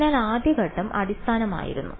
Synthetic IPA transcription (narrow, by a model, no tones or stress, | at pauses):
aːlaːd̪jɐɡɐʈːɐmɐ̰ɽist̪ʰaːnɐma̰ːjḭɾunːu